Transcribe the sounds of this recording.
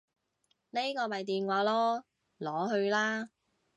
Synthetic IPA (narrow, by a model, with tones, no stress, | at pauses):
le˥kɔː˧mɐ˨jt̪iː˨nwaː˨˧˥lɔː˥ | lɔː˨˥ɦɵ˧ɥlaː˥